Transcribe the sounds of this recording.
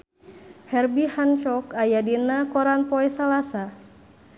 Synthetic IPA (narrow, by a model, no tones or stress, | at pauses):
hɛrbihant͡ʃɔkajadinakɔɾanpɔɛsalasa